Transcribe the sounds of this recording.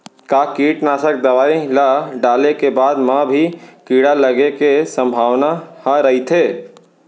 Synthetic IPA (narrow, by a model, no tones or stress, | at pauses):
kakiːʈnaːsək̚d̪ɐʋaːilaɖaːlekebaːd̪mãbʱikiːɽaləɡekesə̃mbʱaːwnahə̃ɾəɦit̪ʰeː